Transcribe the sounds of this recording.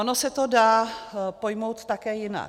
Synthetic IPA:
onosɛt̪o̞daːpo̞jmo̞wt̪t̪akɛːjɪna̰

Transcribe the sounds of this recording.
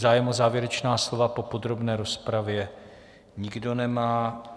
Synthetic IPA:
zaːjɛmozaːvjɛɾɛt͡ʃnaːslo̞vapo̞po̞d̪ɾo̞bnɛːɾo̞spɾavjɛ | ɲɪɡdo̞nɛmaː

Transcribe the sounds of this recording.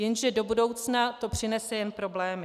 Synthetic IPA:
jɛnʒɛdo̞budo̞wt͡snat̪o̞pr̝̥ɪnɛsɛjɛnpɾo̞blɛːmɪ

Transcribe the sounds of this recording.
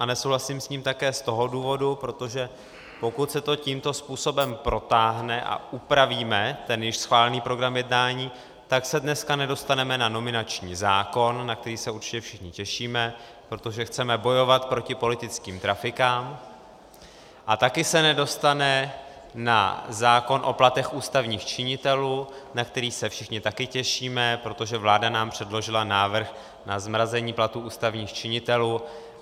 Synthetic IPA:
ʔanɛsowɦlasimsɲiːmt̪akɛːst̪o̞ɦo̞duːvo̞dupɾo̞t̪o̞ʒɛ | po̞kut̪sɛt̪o̞ciːmt̪o̞spuːso̞bɛmpɾo̞t̪aːɦnɛʔa̰ʔupɾaviːmɛt̪ɛnjɪʃsxvaːlɛniːpɾo̞ɡɾamjɛdnaːɲiː | t̪aksɛdnɛskanɛdo̞st̪anɛmɛnano̞mɪnat͡ʃɲiːzaːko̞nːak̚t̪ɛɾiːsɛuɾt͡ʃɪ̥cɛfʃɪxɲɪcɛʃiːmɛ | pɾo̞t̪o̞ʒɛxt͡sɛmɛbo̞jo̞vat̪pɾo̞cɪpo̞lɪt̪ɪt͡skiːmt̪ɾafɪkaːm | ʔat̪akɪsɛnɛdo̞st̪anɛ | na̰zaːko̞nʔo̞̰plat̪ɛxuːst̪avɲiːxt͡ʃɪɲɪt̪ɛluːnak̚t̪ɛɾiːsɛfʃɪxɲɪt̪akɪcɛʃiːmɛpɾo̞t̪o̞ʒɛvlaːdanaːmpr̝̥ɛdlo̞ʒɪlanaːvr̩x | nazmɾazɛɲiːplat̪uːʔuːst̪avɲiːxt͡ʃɪɲɪt̪ɛluː

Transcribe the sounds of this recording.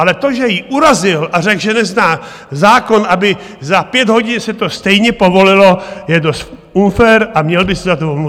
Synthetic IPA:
ʔalɛt̪o̞ʒɛjiʔuɾazɪlʔar̝ɛɡʒɛnɛznaː | zaːko̞nʔabɪ | zapjɛd̪ɦo̞ɟɪnsɛt̪o̞st̪ɛjɲɛpo̞vo̞lɪlojɛdost̪ | unfɛɾamɲɛlbɪsɪzat̪oɦomlu

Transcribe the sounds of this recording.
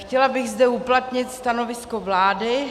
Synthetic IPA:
xcɛlabɪɣzdɛuplat̪ɲɪt̪st̪ano̞vɪsko̞vlaːdɪ

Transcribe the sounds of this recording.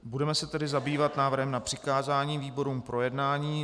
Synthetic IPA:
budɛmɛsɛt̪ɛdɪzabiːvat̪naːvr̩ɦɛmnapr̝̥ɪkaːzaːɲiːviːbo̞ɾuːmpɾo̞jɛdnaːɲiː

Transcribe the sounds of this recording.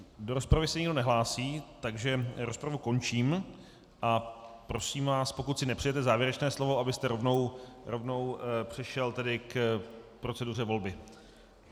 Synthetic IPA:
do̞ɾo̞spɾavɪsɛɲɪɡdo̞nɛɦlaːsiːt̪aɡʒɛɾo̞spɾavuko̞nt͡ʃiːm | ʔapɾo̞siːmvaːspo̞kut̪sɪnɛpr̝ijɛt̪ɛzaːvjɛɾɛt͡ʃnɛːslo̞vo̞ʔabɪst̪ɛɾo̞vno̞wɾovno̞wpr̝̥ɪʃɛlt̪ɛdɪkpɾo̞t͡sɛdur̝ɛvo̞lbɪ

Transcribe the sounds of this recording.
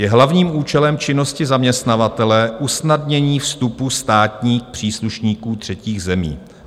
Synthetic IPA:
jɛɦlavɲiːmuːt͡ʃɛlɛmt͡ʃɪno̞scɪzamɲɛst̪navat̪ɛlɛʔusnadɲɛɲiːfst̪upust̪aːt̪ɲiːxpr̝̥iːsluʃɲiːkuːt̪r̥ɛciːɣzɛmḭː

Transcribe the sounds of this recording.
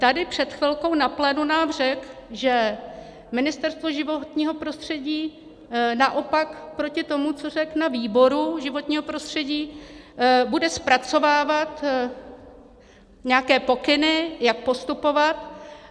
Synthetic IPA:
t̪adɪpr̝̥ɛt̪xvɪlko̞wnaplɛːnunaːmr̝ɛkʒɛ | mɪnɪst̪ɛɾst̪voʒɪvot̪ɲiːɦo̞pɾo̞st̪r̝̥ɛɟiː | naʔo̞pakpɾo̞cɪt̪o̞mut͡so̞r̝ɛknaviːbo̞ɾuʒɪvo̞t̪ɲiːɦo̞pɾo̞st̪r̝̥ɛɟiː | budɛspɾat͡so̞vaːvat̪ | ɲɛakɛːpo̞kɪnɪjak̚po̞st̪upo̞vat̪

